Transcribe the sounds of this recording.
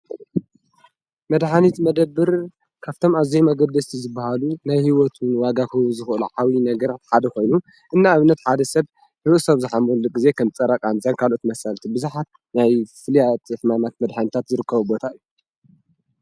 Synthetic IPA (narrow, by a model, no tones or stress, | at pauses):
mɐd̪ħanit̪mɐd̪ɐbːɨɾ | kʰaβt̪ʰo̞mazijmɐɡɐd̪ːɐst̪ʰizɨbːahalunajhiwɔt̪ʰunwaɡakɐwuzɨxʔɨluʕawinɐɡɐɾat̪ħad̪ɐxo̞jnu | ʔɨnːaːβɨnːɐt̪ħad̪ɐsɐβ | hɨβʔusɐβzɨħamulɨɡize̞kʰɐmt͡sʼɐɾakʼanzʼankʰalʔo̞t̪mɐsɐlt̪ʰibɨzuħat̪̚ | najfɨlijat̪ɨħmamat̪mɐd̪ħanit̪ʰat̪zɨɾɨkʰːɐβubo̞t̪ʰaɨjːu